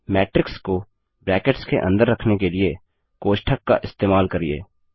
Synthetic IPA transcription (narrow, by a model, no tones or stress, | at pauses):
mɛːʈɾɪksko | bɾɛːkəʈskeʔɐ̰̃nd̪əɾːɐkʰnekelie | koːʃʈʰəkːa̰ʔɪst̪eːmaːlkɐɾiḛː